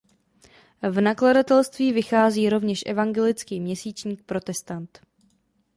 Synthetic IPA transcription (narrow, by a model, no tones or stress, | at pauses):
vnakladat̪ɛlst̪viːvɪxaːziːɾo̞vɲɛʃʔɛ̰vaŋɡɛlɪt͡skiːmɲɛsiːt͡ʃɲiːk̚pɾo̞t̪ɛst̪ant̪